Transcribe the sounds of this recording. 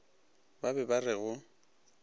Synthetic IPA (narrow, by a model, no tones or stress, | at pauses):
babɛbarɪɣʊ